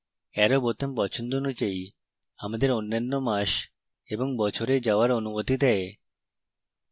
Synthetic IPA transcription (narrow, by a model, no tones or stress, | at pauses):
ɛɾobot̪onpɔt͡ɕʰond̪oonud͡ʑai | amad̪eɾonːanːomaʃ | eboŋbɔt͡ɕʰoɾed͡ʑaoaɾonumot̪id̪ɛe